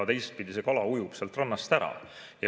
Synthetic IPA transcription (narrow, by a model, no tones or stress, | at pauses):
ɑt̪e̞jst̪̚pid̪ise̞kɑlɑujupselt̪rɑnːɑst̪æɾɑ̰ | jɑ